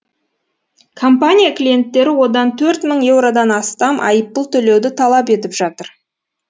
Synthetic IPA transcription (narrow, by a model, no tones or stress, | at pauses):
kʰo̞mpanʲijaklʲije̞nt̪ːe̞ɾɪwo̞d̪ɑnt̪ʰɵɾt̪məɴje̞wɾod̪ɑnɑst̪ɑmʔɑ̰jəp̚ːəlˠt̪ʰɵle̞wd̪ɪt̪ʰɑlˠɑpe̞t̪ɪpʒɑt̪əɾ